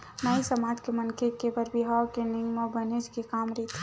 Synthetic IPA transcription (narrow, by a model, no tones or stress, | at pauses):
nəisəmaːd͡ʒkemɐnkʰekebəɾbʱiɦakenɪŋɡmabəned͡ʒkekaːmɾit̪ʰ